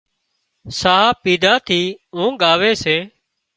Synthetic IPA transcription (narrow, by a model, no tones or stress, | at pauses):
saːɦaːpiːd̪ʱaːt̪ʰiːɦũːɠaːʋeːseː